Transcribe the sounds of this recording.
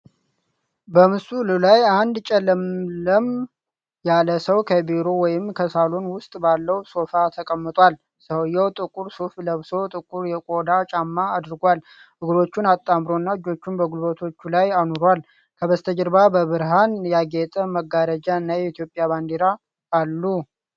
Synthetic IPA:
bəmɨsulɨlajand̪t͡ʃʼɛlːəmləm | jaləsəwkʰəbeɾo̞wɔjɪmkʰəsalo̞nwʊst̪ʼbalːəwso̞fat̪ʰəkʼəmːɨt̪ʼʷwal | səwjːɛwt̪ʼɨkʼuɾsufləβso̞t̪ʼɨkʼuɾjɛkʼo̞d̪at͡ʃʼamːaːd̪ɨɾɡʷal | ʔɨɡɾo̞t͡ʃːunat̪ʼːamɾo̞nːaɨd͡ʒo̞t͡ʃːunbəɡulbət̪ʰo̞t͡ʃːulajanoɾwal | kʰəβəst̪ʰəd͡ʒɨɾbabəβɨɾɦanjaɡet̪ʼəməɡaɾəd͡ʒaɨnːajɛit̪ʰjo̞pʼːjaband̪eɾaː | lːu

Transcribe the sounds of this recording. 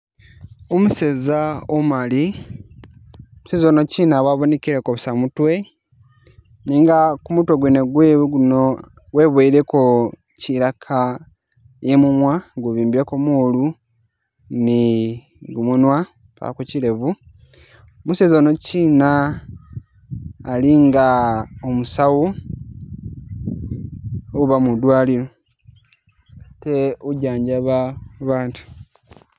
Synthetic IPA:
omuse̞zaomali | omusezonociːnaβwaβonekiɾekoβusamutwe̞ | niːŋɡakumutweɡweneɡweɡuno | ɡwe̞βweiɾeko | ciɾakʰa | jemumwaɡuβiːmbekomuːlu | ni | ɡumunwa | pa̰a̰kucile̞vu | musezonociːna | liŋɡaomusawu | oβamudwaːliɾo̞ | te̞uɟaːɲɟaβaβaːntu̥

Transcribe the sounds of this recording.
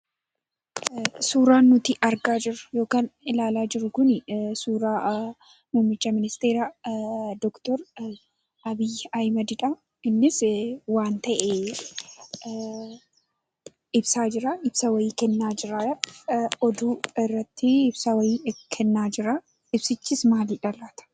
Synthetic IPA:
suːɾaːnːʊt̪ɪʔɐɾɡaːd͡ʒɪɾʊ̥jo̞ːkaːnɪlaːlaːd͡ʒɪɾʊkʊnsuːɾaː | muːmːɪt͡ʃːɐmɪnɪst̪eːɾa | d̪ɔkt̪ɔɾ | ʔɐbɪjɐjmɐd̪ɪᶑɐ | ɪnːɪswaːnt̪ɐʔɛ | ʔɪbsaːd͡ʒɪɾɐʔɪbsɐwɐjiːkɛnːaːd͡ʒɪɾa | ɔd̪uːɪrːɐt̪ːɪɪbsɐwɐjɪkʰɛnːaːd͡ʒɪɾɐ | ɪbsɪt͡ʃːismaːliːᶑɐlaːt̪ɐ̥

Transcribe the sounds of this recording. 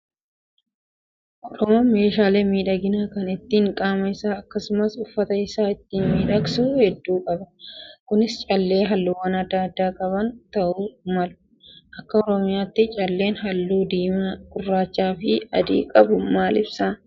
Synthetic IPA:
ʔɔɾɔmɐmeːʃaːleːmiːᶑɐɡɪnaːkɐnɪt̪ːiːŋkʼaːmɐɪsaːɐkːɐsʊmɐsʊfːɐt̪ɐɪsaːɪt̪ːiːnmiːᶑɐksuːhɛd̪ːuːkʼɐbɐkʊnɪst͡ʃʼɐlːe̞ːɦɐlːuːwɐnɐd̪ːaːɐd̪ːaːkʼɐbɐnt̪ɐʔumɐlʊ̥ | ʔɐkːɐɔɾɔmɪjaːt̪ːɪt͡ʃʼɐlːe̞ːnɦɐlːuːd̪iːmakʼʊrːaːt͡ʃːaːfɪɐd̪ḭːkʼɐbʊmaːlɪbsa

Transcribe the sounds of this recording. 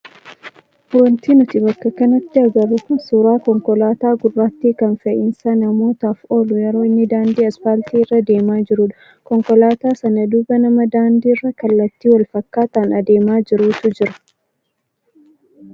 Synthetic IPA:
fʊɾɐnt̪iːnʊt̪ɪbɐkːɐkɐnɐt̪ːɪɐɡɐrːʊkʊnsuːɾaːkɔŋkɔlaːt̪aːɡʊrːaːt̪ːiːkɐnfɐʔɪnsɐnɐmo̞ːt̪aːfo̞ːlʊjɛɾo̞ːɪnːɪd̪aːnd̪iːɐsfaːlt̪iːɪrːɐd̪e̞ːmaːd͡ʒɪɾuːᶑɐ̥ | kɔŋkɔlaːt̪aːsɐnɐd̪ʊbɐnɐmɐd̪aːnd̪iːɪrːɐkɐlːɐt̪ːiːwɐlfɐkːaːt̪aːnɐd̪e̞ːmaːd͡ʒɪɾuːt̪ʊd͡ʒɪɾɐ̥

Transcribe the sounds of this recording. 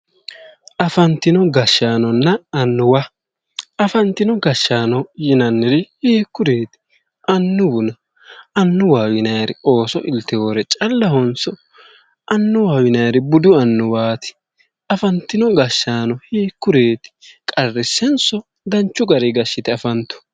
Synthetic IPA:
ʔɐfɐnt̪ːɪnɔɡɐʃːaːnɔnːɐɐnːʊwa | ɐfɐnt̪ːɪnɔɡɐʃːaːnɔjɪnɐnːɪɾɪhiːkːʊɾeːt̪ɪ̥ | ʔɐnːʊbʊnɐ | ɐnːʊwaːwɪnɐjɾɪo̞ːsɔʔɪlt̪ːɪho̞ːɾɛt͡ʃʼɐlːɐhɔnsɔ | ʔɐnːʊwaːwɪnɐjɾɪbʊd̪ʊɐnːʊwaːt̪ɪ̥ | ɐfɐnt̪ːɪnɔɡɐʃːaːnɔhiːkːʊɾeːt̪ɪ̥kʼɐrːɪsɛnsɔ | d̪ɐnt͡ʃːʊɡɐɾɪɡɐʃːɪt̪ɪɐfɐnt̪ːʊ̥

